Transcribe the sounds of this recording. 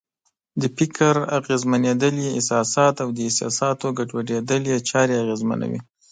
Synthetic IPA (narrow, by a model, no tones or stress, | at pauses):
d̪əpɪkʰaɾaɣezmaned̪əleɪ̰sɑsɑt̪awd̪əɪsɑ̰sɑt̪oɡaʈwaɖed̪əljet͡ʃɑɾeaɣezma̰na̰wḭ